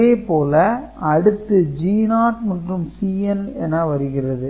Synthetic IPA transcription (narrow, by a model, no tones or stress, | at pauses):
eːpoːlɐ | ɐɽɯt̪ːɯd͡ʒiːnaːʈ̚mɐndrɯmsiːɛnɛnːɐʋɐɾɯɣɪrɐðɯ